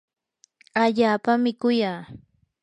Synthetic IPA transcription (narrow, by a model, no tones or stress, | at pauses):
aʎaːpamɪkʊjaː